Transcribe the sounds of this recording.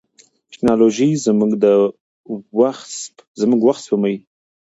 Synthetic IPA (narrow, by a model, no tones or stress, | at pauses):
tɪ̥knɑloʒizmuɡd̪ə | waxzmuɡwaxt̪spomawi